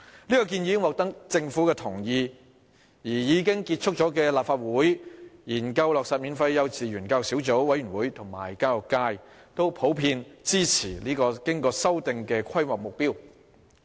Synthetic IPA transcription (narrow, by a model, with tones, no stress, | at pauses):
liː˥kɔː˧k̬i˧njiː˨˧kɪ˥ŋwɔː˨˩k̚t̪ɐ˥k̚t͡sɪ˧ŋfu˨˥kɛː˧t̪ʰʊ˨˩ŋjiː˧ | jiː˨˩jiː˨˧kɪ˥ŋkiː˧t̚t͡ʃʰʊ˥k̚t͡ʃɔː˨˥kɛ˧laː˨pfaː˧t̚wuː˨˥jjiː˨˩nkɐ˧wlɔː˨ksa˨t̚miː˨˧nfɐ˧jːɐ˨˧wt͡siː˨ɥyː˨˩nkɐː˧wsiː˨˥wt͡so˨˥wwɐ˨˥jɥyː˨˩nwuː˨˥jt̪ʰʊ˨˩ŋma̰ː˨˩jkaː˧lʊ˨˩kːaː˧j | t̪o˥wpʰo˨˥wpʰiː˧nt͡siː˥t͡sʰiː˨˩liː˥kɔː˧kɪ˥ŋkɔː˧sɐ˥wt̪ɪ˧ŋkɛː˧kʷʰɐ˥jmɔː˨k̚mʊ˨k̚piː˥w